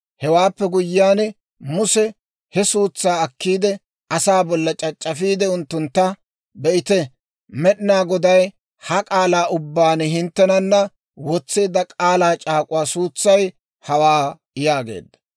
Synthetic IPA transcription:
hɛwaːpːɛɡʊjːaːnɛ | mʊsɛ | hɛsuːt͡sːaːɐkːiːd̪ɛ | ɐsaːbɔlːɐt͡ʃʼɐt͡ʃʼːɐfiːd̪ɛʊnt̪ːʊnt̪ːɐ | bɛʔɪt̪ɛ | mɛɗɪnaːɡɔd̪ɐj | hɐkʼaːlaːʔʊbːaːnɛɦɪnt̪ːɛnɐnːɐ | wɔt͡sːeːd̪ɐkʼaːlaːt͡ʃʼaːkʼʊwaːsuːt͡sːɐj | hɐwaː | jaːɡe̞̰ːd̪ːɐ̥

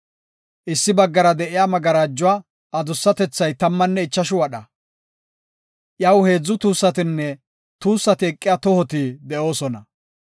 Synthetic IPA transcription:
ʔɪsːɪbɐɡːɐɾɐd̪ɛʔɪjaːmɐɡɐɾaːd͡ʒːʊwa | ɐd̪ʊsːɐt̪ɛt͡sːɐjt̪ɐmːɐnːɛɪt͡ʃːɐʃʊwɐɗɐ | ʔjɐwhe̞ːd͡zːʊt̪uːsːɐt̪ɪnːɛ | t̪uːsːɐt̪ɪɛkʼːɪjat̪ɔhɔt̪id̪ɛʔo̞ːsɔnɐ

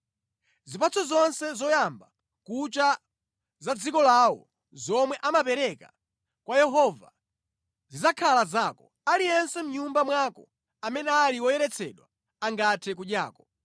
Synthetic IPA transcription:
zipat͡sʰɔzɔnsɛzɔjamba | kut͡ʃa | zad͡zikɔlawɔ̰ | zɔmwɛʔamapɛɾɛka | kwajɛɦɔva̰ | zizakʰalazaːkɔ | alijɛnsɛm̩ɲumbamwakɔ̰ | amɛnɛaliwɔjɛɾɛt͡sʰɛɗwa̰ | aŋɡatʰɛk̬uɗjaːkɔ̥

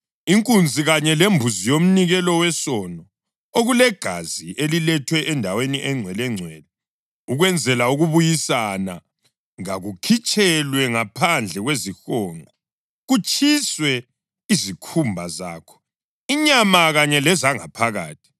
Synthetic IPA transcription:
iŋkʼund͡zʱiɣaɲɛlembʱuzijom̩niɣɛlɔwɛsɔnɔ | oɣulɛɡ̥ʱaziʔelilɛtʰwɛʔɛndʱaweniʔɛŋ͡ǀʱwɛlɛŋ͡ǀʱwɛːlɛ | uɣwɛnd͡zʱɛlauɣuβujisana | ŋaɣukʰit͡ʃʼʰɛlwɛŋapʰand͡ɮʱɛɣwezixɔːŋa | ɣut͡ʃʼʰiswɛ | izikʰumbʱaza̰ːkʰɔ̥ | iɲamaɣaɲɛlɛzaŋa̰pʰaɣa̰ːtʰi̥

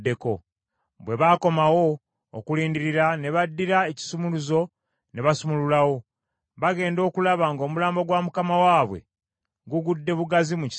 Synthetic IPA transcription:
deko̞̰ | bwe̞βaːko̞mawo̞̰ː | kuliːndiɾiɾane̞βadːiɾae̞ci̥sumuluzo̞ | ne̞βasumululawo̞ | βaɡe̞ːndo̞ːkulaβaŋɡo̞ːmulaːmbo̞ɡwamukamawaːβwe̞̰ | ŋɡuɡudːe̞βuɡazimuc

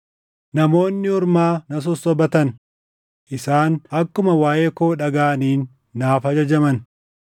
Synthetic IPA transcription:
nɐmo̞ːnːɪhɔɾmaːnɐs̬ɔsːɔbɐt̪ɐn | ʔɪsaːnʔɐkːʊmɐwaːjeːkoːᶑɐɡaːniːnː | aːfɐd͡ʒɐd͡ʒɐmɐn

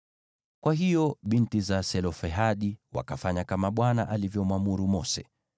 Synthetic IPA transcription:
kwaɦijɔɓintizasɛlɔfɛɦaɗiwa̰kafaɲakamaɓwanaʔalivjɔmwamuɾumɔsɛ̰

